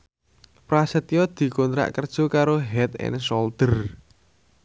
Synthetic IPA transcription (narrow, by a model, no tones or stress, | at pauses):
pɾasət̪iɔd̪̥i̤kont̪ɾa̰ʔkərd̥ʒ̥o̤kaɾoɦɛt̪ɪ̰nsɔld̪ər